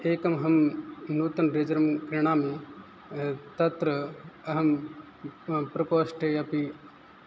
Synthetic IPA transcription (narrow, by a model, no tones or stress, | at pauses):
eːkɐmɦɐmnuːt̪ɐnɾed͡ʒɐɾɐmkɾiɳ̃aːmi | t̪ɐt̪ɾɐɐɦɐm | pɾɐpoːsʈʰeɐpi